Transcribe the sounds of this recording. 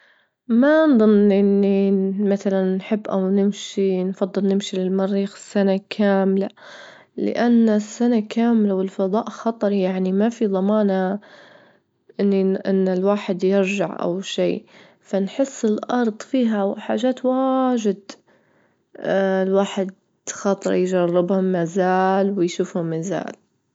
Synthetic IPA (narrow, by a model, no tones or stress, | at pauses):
manðˤɨnʔɪnːimaθalanːħɪbːʔa̰wnɪmʃinfɑd̪ˤːɨlnɪmʃilɪlmɑɾːiːxsːanakʰaːmla | lɪ̰ʔanːasːanakaːmlawɪlfɑðˤɑːʔxɑt̪ˤɑɾˤjaʕnimafiðˤɑmɑːna | ʔɪnːiʔɪnːɪlwaːħɪd̪jɪɾd͡ʒaʕʔa̰wʃiː | fanħɪsːɪlʔɑɾˤd̪ˤfiːɦawħa̰ːʒaːt̪waʒɪd̪ | lwaːħɪd̪̚ | xɑt̪ˤɾjd͡ʒarːɪbhʊmːazaːlwɪjʃuːfhʊmːaza̰ːl